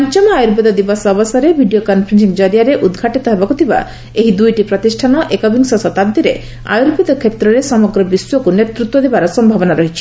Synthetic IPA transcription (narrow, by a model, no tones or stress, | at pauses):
ɔnt͡ʃɔmɔajuɾbid̪ɔd̪ibasɔbɔsɔɾebʱiɖijokɔnpʰɾinsiŋd͡ʒɔɾijaɾeʔud̪ɡʱaʈit̪ɔɦebakut̪ʰiba̰ | eɦid̪ujʈipɾɔt̪isʈʰanɔʔekɔbiŋsɔsɔt̪ad̪jɾe | a̰juɾbid̪ɔkʰet̪ɾɔɾesɔmɔɡɾɔbiswɔkunet̪ɾut̪wɔd̪ebaɾɔsɔmbʱabɔnaɾɔɦit͡ʃʰi̥